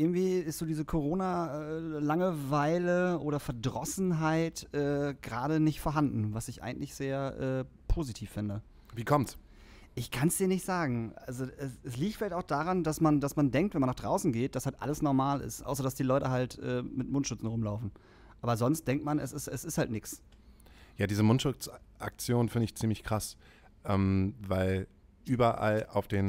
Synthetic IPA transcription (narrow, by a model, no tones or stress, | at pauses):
ʔɪɐɡŋ̩tv̥iːɪstz̥oːdiːzəkʰoʁ̞oːna | laŋəvaɪləʔoːɾɐfɛɐdʁɔsn̩ɦaɪtʔɛːɡ̥ʁaːɾənɪçtfɔɐɦandn̩vasɪçʔa̰ɪɡŋ̩tlɪçz̥eːɐʔɛː | pʰoːzitʰiːfːɪndə | viːkʰɔmt | ʔɪçkʰansd̥iːɐnɪçtz̥aːɡŋ̩ʔalzoɛsɛsliːktfɪlaɪçtaʊxd̥aːʁandasmandasmandɛŋk̚tvɛnmanːaχd̥ʁaʊsn̩ɡeːt̚d̥ashaltʔa̰ləsnɔɐmaːlɪ̰stʔa̰ʊs̬ɐdasd̥iːlɔʏtəɦaltʔɛ̰ːmɪtmʊntʃʊt͡sn̩ʁʊmlaʊfn̩ | ʔaːbɐzɔnst̚d̥ɛŋktmanɛsɪstɛsɪsthaltnɪks | jaːdiːzəmʊntʃʊt͡sʔa̰k̚t͡sjoːnnfɪndəɪçt͡siːmlɪçkʁ̥as | ʔɛːmvaɪl | ʔyːbɐʔa̰la̰ʊfd̥eːn